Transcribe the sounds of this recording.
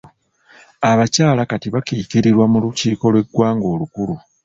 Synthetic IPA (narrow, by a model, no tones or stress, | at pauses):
aβacaːlakatiβakiːciɾiɾwamuluciːko̞lwe̞ɡwaːŋɡo̞ːlukulu